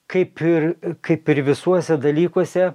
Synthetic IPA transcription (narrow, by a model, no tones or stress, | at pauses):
kɐɪpɪrkɐɪpɪɾʋʲɪsuɔsʲɛd̪ɐlʲiːkuɔsʲɛ